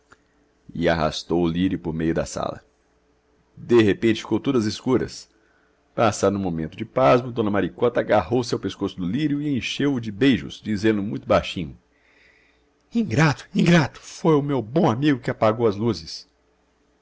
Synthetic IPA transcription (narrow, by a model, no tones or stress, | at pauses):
ɪa̰ɦa̰st̪owʊliɾjʊpoɾmejʊd̪ɐ̰sa̰lɐ̰ | d̪eɦepẽnt͡ʃɪfi̥kowt̪od̪ɐzɪskuɾɐ̰s | pasanũmõmẽnt̪ʊd͡ʒɪpazmɐd̪õnɐmaɾikɔt̪ɐaɡaɦowsewpeskosʊd̪ʊliɾjʊɪẽʃewʊd͡ʒɪbejʒʊ̰zd͡ʒizẽnd̪ʊmũj̃t̪ʊbajʃĩɲʊ | ĩɡɾat̪ʊ̥ĩŋɡɾat̪ʊ̥fojʊmewbõamiɡʊkɪapaɡowɐzluzɪs